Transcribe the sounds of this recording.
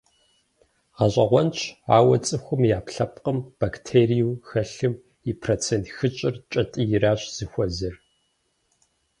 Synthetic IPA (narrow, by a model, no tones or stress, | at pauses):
ʁɐɕʷʼɐʁʷɔnt͡ʃʰa̰ːwɐt͡sʼɨxʷʊmjaːpɬɐpqəmb̥aktʰeːrijwxɐɬɨm | ipʰroːt͡sʰeːntxɨt͡ʃʼɪrt͡ʃʼɐtʼɨjɪɾaːɕz̥ɨxʷɔzɨr